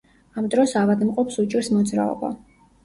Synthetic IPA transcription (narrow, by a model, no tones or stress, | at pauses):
amd̪ɾɔsavad̪mqʼɔpsut͡ʃʼiɾsmɔd̪zɾa̰ɔ̰ba̰